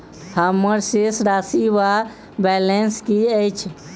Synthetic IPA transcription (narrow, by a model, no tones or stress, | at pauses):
həmːəɾsesɾasiwa | bɛlenskiəjt͡ʃʰ